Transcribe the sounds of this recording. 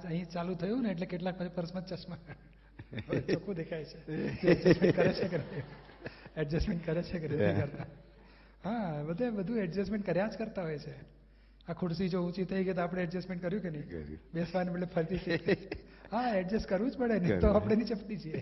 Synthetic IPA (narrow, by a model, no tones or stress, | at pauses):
d͡ʒəɦĩt͡ʃalũt̪ʰəjũneːʈ̬lekeʈlak̚pət͡ʃʰipəɾəsmət̪t͡ʃəsma | t͡ʃʰokũd̪ekʰajt͡ʃʰeoɛɖd͡ʒɛsmẽɳʈkəɾet͡ʃʰekena | ɛɖd͡ʒəsmeɳʈ̚kəɾet͡ʃʰekenet̪ʰikəɾt̪a | ɦãbəd̪ʱabəd̪ʱũɛɖd͡ʒəsmẽɳʈkəɾjãd͡ʒkəɾt̪aɦojt͡ʃʰe | akʰuʈsid͡ʒoũt͡ʃit̪ʰəiket̪oapɽ̃eɛɖd͡ʒəsmẽɳʈ̚kəɾjũkenəɦĩbesʋanbeʈlepʰəɾid̪it̪ʰi | ɦaɛɖd͡ʒəskəɾʋũd͡ʒpəɽenet̪oapəɽ̃enit͡ʃəpʈit͡ʃʰie